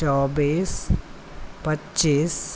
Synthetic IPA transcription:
ɔːbiːs | pɐtːiːs

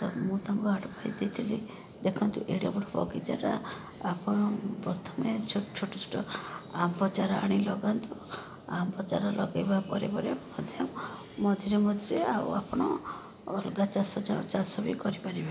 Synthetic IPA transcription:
t̪ɔmũt̪amkɔaɽpʰaḭd̪it̪ʰili | d̪ekʰɔnt̪uʔeɽiabɔɽɔbɔ̰ɡid͡ʒa̰ɾa̰ | apɔɽ̃ɔpɾɔt̪ʰɔmet͡ʃʰt͡ʃʰoʈɔt͡ʃʰu̥ʈɔampɔt͡ʃaɾɔa̰ɽ̃ilɔɡant̪u | ampɔt͡ʃa̰ɾɔlɔɡajbapɔɾebɔɾemɔd̪ʱjɔmː | ɔd̪ʱiɾemɔd̪ʱiɾeauapɔɽ̃ɔː | lɡat͡ʃasɔd͡ʒat͡ʃasɔbikɔɾipaɾiba

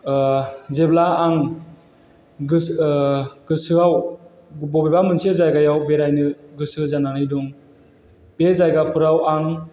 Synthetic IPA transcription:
zeblaːŋ | ɡɯ | ɡɯsɯaw | bɔbebamɯnsiezajɡajawbeɾajnɯɡɯsɯzananɯjdɔŋ | b̥ezajɡapʰɯɾawaŋ

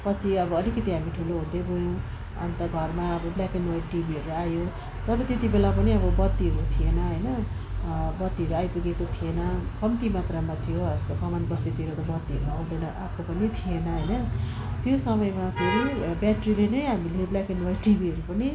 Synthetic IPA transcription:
pʌt͡sʰiʌbʌʌlikʌt̪iɦamiʈʰuloɦũd̪ebʱojõw̃ | ʌ̰nt̪ʌɡʱʌrmaʌbʌblakenwajʈibiɦʌɾuajo | t̪ʌɾʌt̪jet̪ibelapʌniʌbʌbʌd̪ːiɦʌɾũt̪ʰienʌɦʌjnʌ | bʌd̪ːiʌɾuajpuɡekot̪ʰienʌkʌmt̪imat̪ramat̪ʰijoʌʌst̪okʌmanbʌst̪et̪ʰieɾot̪ʌbʌd̪ːiʌɾuaũd̪ʌjnʌʔapʰkopʌnit̪ʰienʌɦʌjnʌ | t̪josʌmʌjmapʰeɾibjaʈrilenʌjɦamileblakenwaiʈibiɦʌɾupʌni

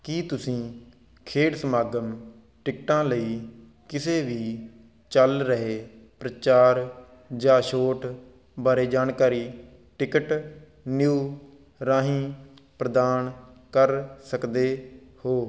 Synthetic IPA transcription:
kiːt̪ʊsĩː | kʰeːɽsəmaːɡəm | ʈɪkʈãːləiː | kɪseːʋiː | t͡ʃəlɾəɦeːpɾət͡ʃaːɾ | d͡ʒãːʃoːʈ | baːɾeːd͡ʒaːnkaːɾiː | ʈɪkəʈ | njuː | ɾãːɦĩːpɾəd̪aːnkəɾsəkd̪eːhoː

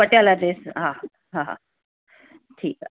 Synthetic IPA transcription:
əʈjalad̪esɦã | ɦãɦa̰ | ʈʰiːk

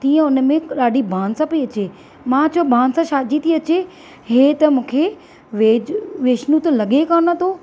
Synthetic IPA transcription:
t̪iːə̃ʊnmẽɗaːɖibʱaːnsãpiɐt͡ɕe | mãt͡ɕʰobʱaːnsãʃaːd͡ʑit̪ʰiɐt͡ɕe | ɦeːt̪ɐmũːkʰe | ʋeːd͡ʑʋeːʃnũt̪lɐɠekaːnãt̪ʰoː

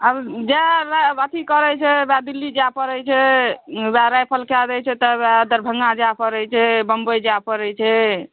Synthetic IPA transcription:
abd͡ʒɛɾabat̪ʰikəɾɛt͡ʃʰɛbad̪ilːid͡ʒapəɾɛjt͡ʃʰɛ | baɾajpʰəlkad̪ɛt͡ʃʰɛt̪ɔbad̪əɾbʱəŋɡad͡ʒapəɾɛjt͡ʃʰɛbəmbəjd͡ʒapəɾɛt͡ʃʰɛ

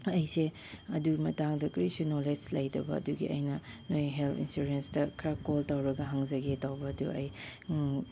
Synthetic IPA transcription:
ɐjse | ɐdumɐtaŋdɐkɾisunoled͡ʒlɐjdɐ̰bɐ̰ɐ̰duɡḭʔɐ̰jnɐnojɦelpḭnsuɾenstɐkʰɐɾakoltawɾɐɡɐɦaŋzɐɡetawbɐːduɐ̰j

